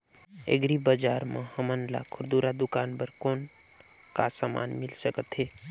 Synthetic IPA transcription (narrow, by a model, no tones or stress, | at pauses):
ḛɡɾibəd͡ʒaɾmehəmənla̰kʰɔɾd̪uɾad̪ukanbəɾkon | ka̰sama̰nmilsəkət̪ɦe